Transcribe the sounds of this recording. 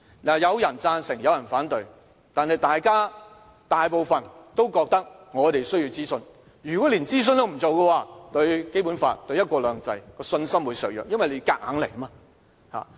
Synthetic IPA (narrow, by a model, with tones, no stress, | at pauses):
laː˨jɐ˨˧wjɐ˨˩nt͡saː˧nsɪ˨˩ŋjɐ˨˧wjɐ˨˩nfaː˨˥nt̪ɵ˧ɥ | t̪aː˨˩nhɐ˨jt̪aː˨jkaː˥ | t̪aː˨jpo˨wfɐ˨nt̪o˥wkɔː˧k̚t̪ɐ˥k̚ŋɔː˨˧t̪e˨jsɵ˥ɥji˧wt͡siː˥sɵ˧n | jyː˨kɔ˨˥liː˨˩nt͡siː˥s̬ɵ˧nt̪o˧wm̩˨˩t͡so˨wkɐ˧waː˧t̪ɵ˧ɥke˥jpuː˨˥nfa̰ː˧t̚t̪ɵ˧ɥjɐ˥t̚kʷɔː˧lœː˨˧ŋt͡sɐ˧jkɔː˧sɵ˧nsɐ˥mwu˨˧jsœː˨k̚jœ̰ː˨kjɐ˥nwɐ˨jle˨˧jkaː˧k̚haː˨˥ŋlḛ˨˩jɐ˥ma˧ | ha̰ː˨